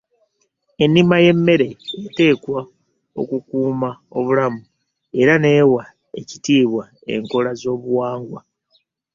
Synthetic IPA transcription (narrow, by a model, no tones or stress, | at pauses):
e̞nːimaje̞mːe̞ɾe̞ːte̞ːkwa | o̞̰kukuːmao̞βulamu | e̞ɾane̞ːwa | ecitiːβwa | e̞̰ŋko̞lazo̞ːβuwaːŋɡwa